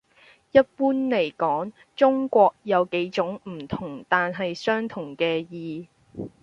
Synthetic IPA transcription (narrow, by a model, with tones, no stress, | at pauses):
jɐ˥t̚puː˥nle˨˩jkɔː˨˥ŋ | t͡sʊ˥ŋkʷɔː˧k̚jɐ˨˧wke˨˥jt͡ʃʊ˨˥ŋm̩˨˩t̪ʰʊ˨˩ŋt̪aː˨nɦɐ˨jsœː˥ŋt̪ʰʊ˨˩ŋkɛː˧jiː˨